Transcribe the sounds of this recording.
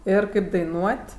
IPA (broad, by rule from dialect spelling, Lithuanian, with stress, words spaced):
ˈɪr kɐɪp dɐɪˈnuɔtʲ